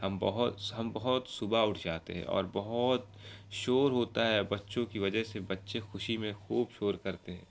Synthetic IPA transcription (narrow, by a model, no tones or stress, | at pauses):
hɐmbɐɦʊt̪ɦɐmbɐɦʊt̪sʊbaʊʈʰd͡ʒaːt̪ḛɦɛ̰̃ʔɔ̰ːɾbɐɦʊt̪̚ | ʃoːɾɦoːt̪aɦɛbɐtːʃõkiʋɐd͡ʒəɦsebɐtːʃexʊʃimẽxuːbʃoːɾkɐɾt̪eɦɛ̰̃ː